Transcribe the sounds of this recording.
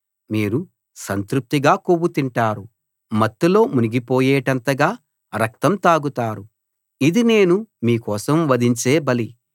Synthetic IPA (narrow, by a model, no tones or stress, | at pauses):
miːɾu | sɐnt̪ɾup̚t̪iɡaːkobut̪iɳʈaːɾu | mɐt̪ːulo̞ːmuniɡipoːjeːʈɐnt̪ɐɡaː | ɾɐk̚t̪ɐmt̪aːɡut̪aːɾu | id̪ine̞ːnumiːkɔːsɐmʋɐd̪iɲt͡ʃeːbɐli